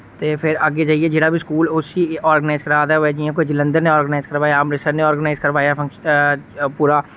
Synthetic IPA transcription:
t̪eːpʰɪɾəɡeːd͡ʒaːieːd͡ʒeːɽaːbʱiːskuːlʊsiːɔːɾɡənaːɪzkəɾaːd̪ɛːʋɛːd͡ʒiẽk̬oid͡ʒɪlə̃nd̪əɾnẽːɔːɾɡənaːɪzkəɾʋaːjaːpɾɪsənẽɔːɾɡənaːɪzkəɾʋaːjaːpʰə̃ŋkʃ | puːɾaː

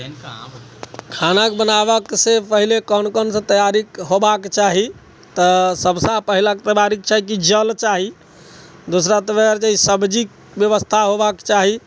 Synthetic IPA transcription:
kʰanakbənabəksẽpəɦilekɔnkɔnsə̃t̪əjaɾikɦobakt͡ʃaɦi | t̪əsəbsãpəɦilaket̪əbaɾik̚t͡ʃaɦikid͡ʒəlt͡ʃaɦi | d̪osɾat̪əbeɾt͡ʃaɦisəbd͡ʒik̚ | bjəβəst̪ʰaɦobakt͡ʃaɦi

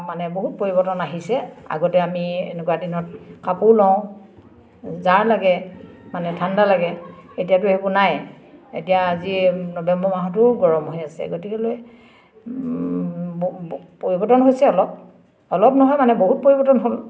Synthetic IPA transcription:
manɛboɦut̚poɹibɔtɔnaɦisɛa̰ɡɔtɛamiḛnɛkuwadinɔt̚kapulɔ̃ʊ̃ | zaɹlaɡɛmanɛtʰandalaɡɛetijatʊhebunaj | ḛtijaːzinɔbɛmbɔmaɦɔt̬ʊɡɔɹɔmɦojasɛ̰ɡotikɛloj | poɹibɔtɔnɦojsɛɔlɔp̚ | ɔlɔp̚nɔɦɔjmanɛboɦut̚poɹibɔtɔnɦol

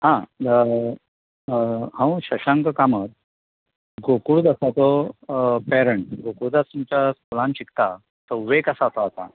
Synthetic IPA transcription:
ɦã | hãwɕəɕãŋkəkamət̪̚ | ɡokuɭd̪əsat͡s̪ɔ | pɛɾəɳʈɡokuɽd̪asumt͡ɕaskulãnɕikt̪a | t͡səwʋekəsat͡sɔat̪a̰

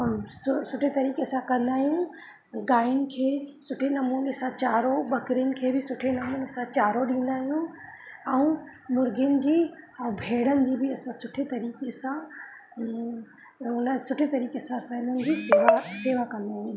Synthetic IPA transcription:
ssʊʈʰet̪ɐɾiːkesãkɐ̃nd̪aːɦijũ | ɡaːɪʊnɪ̆kʰeːsʊʈʰenɐmuːnesãt͡ɕaːɾoɓɐkɾiʊnɪ̆kʰeːbɪsʊʈʰenɐmuːnesãt͡ɕaːɾoɗĩːn̆d̪aːɦijũ | ɛ̃ũ | mʊɾɡjənɪ̆d͡ʑiːɛ̃bʱeːɽənɪ̆d͡ʑiːbɪɐsãsʊʈʰet̪ɐɾiːkesã | ʊnəsʊʈʰet̪ɐɾiːkesãɐsãːɪlənɪ̆d͡ʑiːseʋaseːʋakɐ̃nd̪aːɦijũ

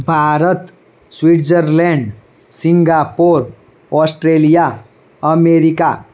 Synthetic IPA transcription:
bʱaɾət̪ | swiʈd͡ʒəɾlɛɳɖ | siŋɡapoɾ | ɔsʈɾelija | əmeɾika

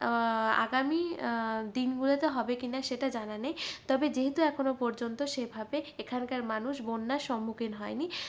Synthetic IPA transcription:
a̰ɡamid̪inɡulet̪eɦɔbekinaʃeʈad͡ʑananejt̪ɔbed͡ʑeɦet̪uɛkʰonopɔɾd͡ʑont̪oʃebʱabeekʰankaɾmanuʃbonːaɾʃɔmːukinɦɔeni

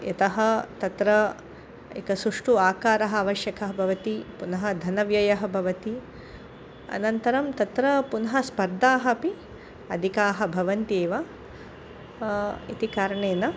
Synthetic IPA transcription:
et̪ɐɦɐ̆t̪ɐt̪ɾɐ | ḛkɐsuʂʈuaːkaːɾɐɦɐaːʋɐʃjɐkɐɦɐbʱɐʋɐt̪ipunɐɦɐ̆d̪ʱɐnɐʋjɐjɐɦɐbʱɐʋɐt̪i | ɐ̰nɐnt̪ɐɾɐmt̪ɐt̪ɾɐpunɐɦɐ̆spɐɾd̪ʱaːɦɐpi | ɐd̪ʱikaːɦɐbʱɐʋɐnt̪eːʋɐ | ḭt̪ikaːɾɐɳeːnɐ

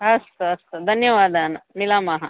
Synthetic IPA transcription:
ɦɐsɐsd̪ʱɐnjɐʋaːd̪aːnmilaːmaɦɐ

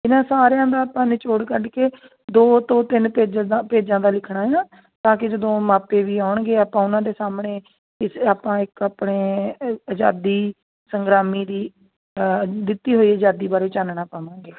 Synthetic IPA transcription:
ɪnãːsaːɾejãːd̪aːaːpãːnet͡ʃoːɽkəɖkeː | d̪oːt̪õːt̪ɪnpeːd͡ʒapeːd͡ʒãːd̪aːlɪkʰɽaːɦjãː | t̪ãːkɪd͡ʒəd̪õːmaːpeːʋiːaːʊɳɡeːaːpãːʊnãːd̪eːsaːmɳeː | ɪsaːpãːɪkaːpɳeːəd͡ʒaːd̪iː | səŋɡɾaːmiːd̪iː | d̪ɪt̪ːiːɦoːiːəd͡ʒaːd̪iːbaːɾeːt͡ʃaːnɳaːpaːʋãːŋɡeː

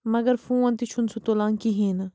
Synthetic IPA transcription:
mɐɡəɾfũːãnt̪it͡ʃʰunsut̪olãːŋkiɦĩːn

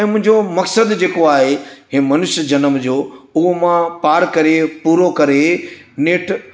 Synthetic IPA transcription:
ɛ̃mʊ̃ɦɪ̃ɲd͡ʑomɐksəd̪d͡ʑeːkoaːɦeɦeːmɐnʊʃjəd͡ʑɐnəmd͡ʑoːʊɦomãpaːɾkɐɾepuːɾokɐɾeneːʈ

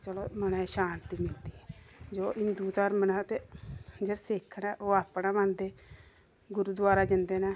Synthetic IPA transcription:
t͡ʃəloːmənɛ̃ːʃaːnt̪iːmɪld̪iːɛːd͡ʒoːʔɪnd̪uːt̪əɾmənaːt̪eːd͡ʒəɾsɪkʰːnaːʔoːaːpnaːmand̪eː | ɡʊɾuːd̪waːɾaːd͡ʒɪnd̪eːnaː

